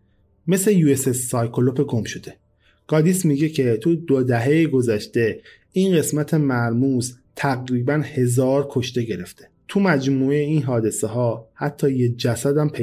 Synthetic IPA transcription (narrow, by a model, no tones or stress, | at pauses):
me̞slejuːesesːɒːjkʰolopʰeɡomʃod̪e̞ | ɡ̥ɒːd̪ismiɟe̞cʰe̞t̪ʰud̪od̪æɦe̞jeɡo̞zæʃt̪e̞ | inɢe̞smæt̪ʰe̞mæɾmus | t̪ʰæɣɾiːbænhe̞zɒːɾkʰo̞ʃt̪e̞ɟe̞ɾe̞ft̪ʰet̪ʰumæd͡ʒmuːeinɦɒːd̪e̞seɦɒːhæt̪ʰːɒːjed͡ʒæsæd̪æmpʰe